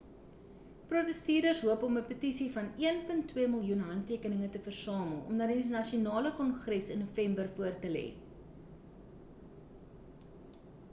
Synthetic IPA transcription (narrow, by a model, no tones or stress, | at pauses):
protəstiːdəsɦuəpɔməpətisifɐniənpəntːwiəməlˠjunɦɐntːiəkənəŋətəfərsɑːməlˠɔ̰mnɐrdiəənɐʃiunɑːləkɔnχrɛsənːufɛmbərfuərtəlɛ̰ː